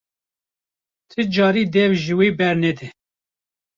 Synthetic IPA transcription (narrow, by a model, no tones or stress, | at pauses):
t̪ʰɨd͡ʒɑːɾiːd̪ɛvʒiwiːbɛɾnɛd̪ɨ